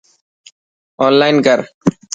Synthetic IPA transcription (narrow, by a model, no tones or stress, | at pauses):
ɔnlajnkəɾ